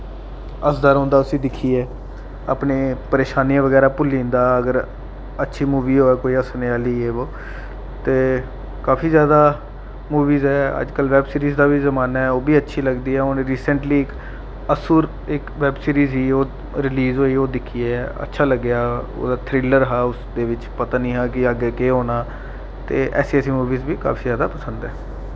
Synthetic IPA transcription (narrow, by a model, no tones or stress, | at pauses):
əsd̪aːɾõːnd̪aːʊsĩːd̪ɪkʰːiːɛː | a̰ːpneːpəɾeːʃaːniãːʋəɡɛːɾaːpʊlːĩːnd̪aːəɡəɾ | ətːʃʰiːmuːʋiːɦoːɛːkoːiːəsneaːliːeːʋoː | t̪eː | kaːpʰiːzjaːd̪aː | muːʋiːzɛːə̰d͡ʒkəlʋɛːbsiːɾiːzd̪aːbiːzəmaːnaːɛːoːbiːətːʃʰiːləɡd̪iːɛːoːnẽːɾiːsəɳʈliːɪk | əsuːɾ | ɪkʋɛːbsiːɾiːzɦiːoː | ɾɪliːzɦoːioːd̪ɪkʰiːɛːə̰tːʃʰaːləɡːjaːo̰ːd̪aːt̪ʰɾɪləɾɦaːʊsd̪eːʋɪt͡ʃpət̪aːnĩːɦãːkɪəɡɛːkeːɦoːnaː | t̪eːʔɛ̰ːsiːəsiːmuːʋiːzbiːka̰ːpʰiːzjaːd̪aːpəsə̃nd̪ɛː